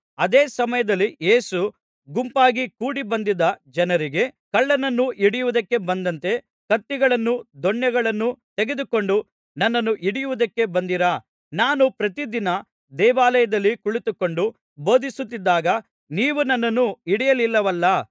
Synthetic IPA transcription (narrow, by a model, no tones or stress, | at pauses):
ɐd̪eːsɐmɐjɐd̪ɐlːijeːsu | ɡumpaːɡikuːɽibɐnd̪id̪ːɐd͡ʒɐnɐɾiɡe̞kɐɭːɐnɐnːuʔiɽijuʋud̪ɐkːe̞bɐnd̪ɐnt̪e̞ | kɐt̪ːiɡɐɭɐnːud̪ɔɳjɐɡɐɭɐnːut̪eɡe̞d̪uko̞ɳɖu | nɐnːɐnːuʔiɽijuʋud̪ɐkːe̞bɐnd̪iɾa | naːnupɾɐt̪id̪inɐ | d̪ɛːʋaːlɐjɐd̪ɐlːikuɭit̪uko̞ɳɖu | bo̞ːd̪isut̪ːid̪ːaːɡɐ | niːʋunɐnːɐnːuiɽijɐlilːɐʋɐlːɐ